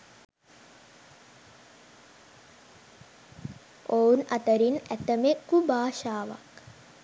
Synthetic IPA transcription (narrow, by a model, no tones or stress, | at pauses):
ounat̪əɾinæt̪əmekːubaːʃaːʋa̰k